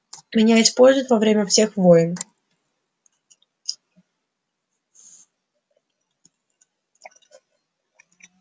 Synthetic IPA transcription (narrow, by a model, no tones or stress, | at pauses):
mʲɪnʲaɪspo̞lʲzʲʊɪt̪vɐvɾʲemʲəfsʲexvojɪn